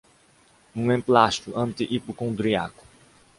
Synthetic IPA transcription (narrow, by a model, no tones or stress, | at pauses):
ũẽmplaʃt̪uʔɐ̃nt̪iʔipukõnd̪ɾiakʊ̥